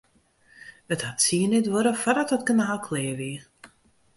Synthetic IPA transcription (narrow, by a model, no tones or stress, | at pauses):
əthatsiənɛtʋoɾəfadɔtətkənaːlˠkʰleːʋiə